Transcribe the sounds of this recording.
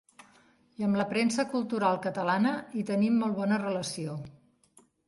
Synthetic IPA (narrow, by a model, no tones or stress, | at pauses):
iəmləpɾensəkulˠt̪uɾalˠkət̪əlanəit̪ənimːɔlˠβɔnərələsio